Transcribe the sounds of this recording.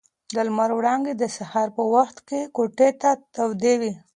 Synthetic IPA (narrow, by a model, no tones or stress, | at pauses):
d̪əlmaɾwɽɑŋɡed̪əsahɑɾpəwaxt̪kekoʈet̪at̪awd̪ewi